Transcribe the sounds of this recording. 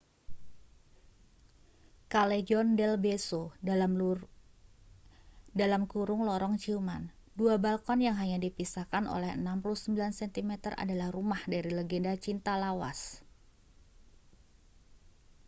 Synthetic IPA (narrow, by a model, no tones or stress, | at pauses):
kaled͡ʒɔndɛlbeso | dalamkuɾʊŋlɔɾɔŋt͡ʃiuman | duabalkɔnjaŋɦaɲadipisakano̰lɛhənampuluhsəmbilansɛnt̪imɛt̪ərʔa̰dalahrumahdaɾilɛɡɛndat͡ʃint̪alawa̰s